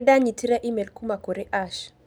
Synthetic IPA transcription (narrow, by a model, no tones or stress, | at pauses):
daɲitʰiɾaʔimɛlkumakoɾeʔaʃ